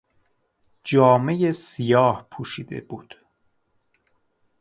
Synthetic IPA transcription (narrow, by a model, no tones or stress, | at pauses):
d͡ʒɒːme̞jesijɒːhpʰuːʃiːd̪ḛbuːd̪̥